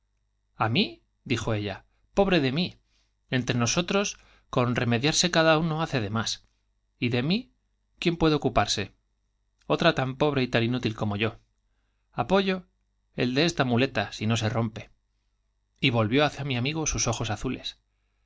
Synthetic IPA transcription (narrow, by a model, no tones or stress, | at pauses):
ami | d̪ixo̞e̞ʎa | po̞β̞ɾe̞ðe̞mi | e̞nt̪ɾe̞no̞so̞t̪ɾo̞s | ko̞nre̞me̞ðjaɾse̞kaðauno̞aθe̞ðe̞mas | iðe̞mi | kje̞mpwe̞ð̞eo̞kupaɾse̞ | o̞t̪ɾat̪ampo̞β̞ɾe̞it̪aninut̪ilko̞mo̞ʝo̞ | apo̞ʝo̞ | e̞̰ld̪eest̪amule̞t̪asino̞se̞ro̞mpe̞ | iβo̞lβjo̞aθjamiamiɣ̞o̞suso̞xo̞saθule̞̰s